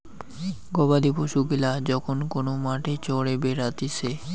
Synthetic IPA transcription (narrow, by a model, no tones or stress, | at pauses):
ɡɔbad̪ipoʃuɡilad͡ʑɔkʰonkonomaʈet͡ɕɔɽebeɾat̪isʰe